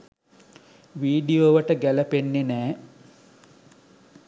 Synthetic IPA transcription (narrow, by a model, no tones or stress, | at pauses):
ʋiːɖioːʋəʈəɡæləpenːenæː